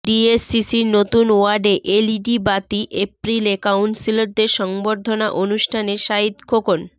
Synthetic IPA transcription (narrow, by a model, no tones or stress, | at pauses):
ɖiesːisiɾnot̪unwaɾɖeʔeliɖibat̪iʔepɾilekawnsiloɾd̪eɾʃɔŋboɾd̪ʱonaʔonuʃʈʰaneʃaɦit̪kʰokon